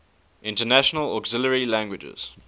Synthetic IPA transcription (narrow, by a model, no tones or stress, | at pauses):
ʔɪ̃ntənæʃənəlɔ̰kzɪləɹilæ̃ŋɡwɪd͡ʒə̰z̥